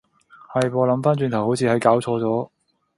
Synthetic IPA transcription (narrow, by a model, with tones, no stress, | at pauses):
hɐ˧jpɔː˧lɐ˨˧˥mfaː˥nt͡ʃyː˧nt̪ʰɐ˨˩who˨˥wt͡sʰiː˧hɐ˨˥jkaː˨˥wt͡ʃʰɔː˧t͡sɔː˨˥